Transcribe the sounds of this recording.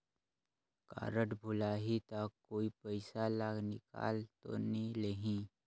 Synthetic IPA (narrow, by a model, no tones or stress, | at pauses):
ka̰ːɾəʈbʱʊlaːɦit̪akːoːipəɪsalaːɡnɪka̰ːlt̪o̰niləɦĩ